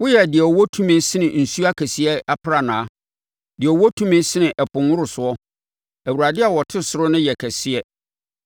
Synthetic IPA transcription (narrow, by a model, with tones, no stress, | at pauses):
wʊ˦jɛ˨dɪ˨ɛ˨ɔ˨wɔ˦tʰũ˦mɪ̃˦sɪ˦nɪ̃˨n̩˨su˦a˦kʰæ˨si˨˦ɛ˦a˦pʰɾa˦˨nã˨˦ | dɪ˨ɛ˨wɔ˦tʰũ˦mɪ̃˦sɪ˦nɪ̃˨ʔɛ˨pʊ̃˨nwʊ˦ɾʊ˨sʊ˨ɔ˦ | æ˨wu˨ɾa˨dɪ˦a˨wɔ˨tʰɪ˦sʊ˨ɾʊ˦nɪ̃˦jɛ˨kʰæ˨sɪ˦ɛ˦